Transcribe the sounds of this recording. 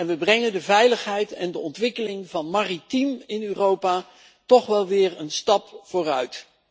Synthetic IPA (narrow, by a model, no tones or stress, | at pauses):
ɛnʋəbrɛŋəndəvɛjləχɦɛjtɛndəɔntʋɪkəlɪŋvɑnmaːritimɪnyːrowpaː | tɔχʋɛlˠʋɪːɹənstɑpfʊːrœɥt